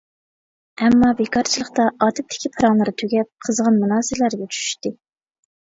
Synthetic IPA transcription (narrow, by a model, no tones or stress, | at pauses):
ɛmːɑbekʰɑɾt͡ʃʰilˠəχt̪ɑʔɑːt̪ʰɪp̚t̪ʰɪ̥kʲipʰɨɾɑŋlˠɨɾɨt̪ʰyɡʲɛp̚qʰəzʁɑnmunɑːsɨlæɾɡʲɛt͡ʃʰy̥ʃy̥ʃt̪ɨ